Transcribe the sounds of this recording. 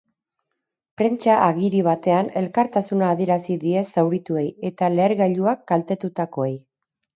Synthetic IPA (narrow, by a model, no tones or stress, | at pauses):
pɾe̞nt͡ʃaʔaɣiɾiβ̞at̪e̞ane̞lkaɾt̪asunaːð̞ie̞ɾasiðie̞sawɾit̪ue̞je̞t̪ale̞ːɾɣaʎuakɡalt̪e̞t̪ut̪ako̞ej